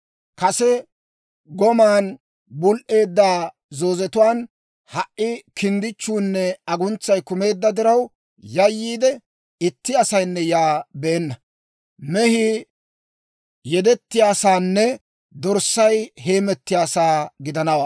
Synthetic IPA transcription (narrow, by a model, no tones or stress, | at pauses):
kɐsɛ | ɡɔmaːn | bʊlʔe̞ːd̪ːaː | zoːzɛt̪ʊwaːn | hɐʔʔɪkɪnd̪ɪt͡ʃːuːnːɛɐɡʊnt͡sːɐjkʊme̞ːd̪ːɐd̪ɪɾɐw | jɐjːiːd̪ɛ | ɪt̪ːɪɐsɐjnːɛjaːbeːnːɐ | mɛhɪ | jɛd̪ɛt̪ːɪjaːsaːnːɛ | d̪ɔɾsːɐjɦe̞ːmɛt̪ːɪjaːsaːɡɪd̪ɐnɐwaː